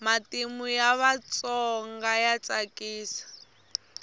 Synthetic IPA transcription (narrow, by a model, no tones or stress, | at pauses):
matimujaβat͡sɔŋɡajat͡sakiːsḁ